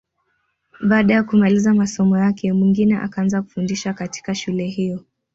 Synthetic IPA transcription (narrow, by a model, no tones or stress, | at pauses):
ɓaːɗajakumalizamasɔmɔjakɛmwiŋɡinɛʔa̰kaanzaku̥fundiʃakati̥kaʃulɛɦijɔ